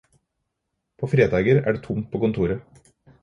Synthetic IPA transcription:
pʰoːfɾeːd̪ɑːɡəɾæ̰ːɖeːt̪ʰʊmt̪̚pʰoːkʊnt̪ʰuːɾə

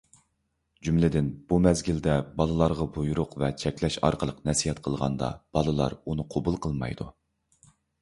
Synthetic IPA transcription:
d͡ʒymlɪd̪ɪnb̥umɛzɡʲild̪ɛbɑlˠɨlˠɑɾʁɑbujuɾʊqvɛt͡ʃʰɛkʲlɛʃɑ̰ɾqʰəlˠəqnɛsiɦɛt̪̚qʰəlˠʁɑ̰nd̪ɑ̰b̥ɑlˠɨlˠɑ̰ɾunɨqʰobulˠqʰəlˠmɑ̰jd̪u

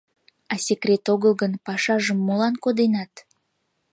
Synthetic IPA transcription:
ɑsʲekrʲet̪oɣəlɣənpɑʃɑʒəmːolɑnkod̪enɑt̪

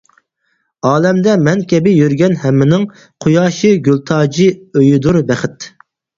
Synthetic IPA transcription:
ɑːlɛmd̪ɛmɛnkʲʰɛbɪjøɾɡʲɛnhɛmːɪnɪŋ | qʰojɑːʃɨɡʲylˠt̪ʰɑːd͡ʒiøjid̪uɾbɛχɪt̪

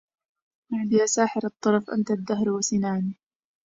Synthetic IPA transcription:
maʕd̪ɪjʔasaːħɪɾɑt̪ˤːɑɾˤɑfʔa̰nt̪ad̪ːaɦɾwasɪnaːni

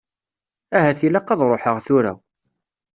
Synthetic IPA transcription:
æɦæθilæqːɑðˤɾˤoħəʁθʊɾæ̰

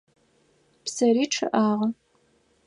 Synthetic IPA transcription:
psɐɾiːʈ͡ʂʰɨ̰ʔaːʁɐ

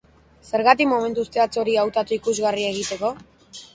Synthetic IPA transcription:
se̞ɾɣat̪ikmome̞nt̪uːst̪eat͡so̞ɾiawt̪at̪uikuzɣarie̞ɣit̪e̞ko̞

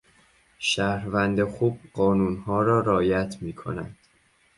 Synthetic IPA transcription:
ʃæhɾvænd̪exuːb̚ɢɒːnuːnhɒːɾɒːɾɒːjæt̪ʰmiːkʰo̞̰næ̰nd̪̥

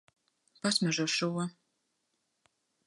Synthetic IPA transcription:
pasmʲɛʒuʃuɔ

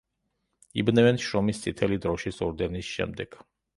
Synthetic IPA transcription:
ibnɛvɛnʃɾɔmist̪sʰʼit̪ʰɛlid̪ɾɔʃisɔɾd̪ɛnisʃɛ̰md̪ɛɡ̥

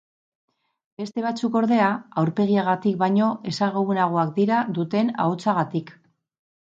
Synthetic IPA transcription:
be̞st̪e̞β̞at͡suko̞ɾðe̞aawɾpe̞ɣ̞iaɣ̞at̪ik̚bajɲo̞ʔe̞saɣoβunaɣ̞o̞ak̚d̪iɾaðut̪e̞na̰ot͡saɣat̪ik

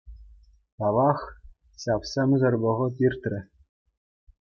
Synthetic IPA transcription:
t̪ɑʋɑχ | ɕɑfsemʲzɤ̆rbɤ̆ʁɤ̆t̪ʲirt̪rʲɘ̆

